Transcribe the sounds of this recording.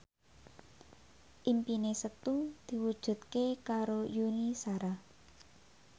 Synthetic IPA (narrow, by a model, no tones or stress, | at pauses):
ʔimpinesət̪ud̪̥i̤wud̥ʒ̥ṳt̪̚kekaɾojunisaɾa